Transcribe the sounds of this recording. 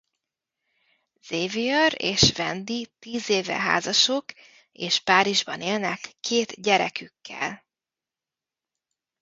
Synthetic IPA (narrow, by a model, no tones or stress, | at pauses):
z̥eːvijɒɾeːʃvɛnd̪it̪iːzeːvɛ̰ɦa̰ːzɒʃok | eːʃpaːɾiʒbɒneːlnɛkːeːt̪ɟɛɾɛkykʰːɛ̰l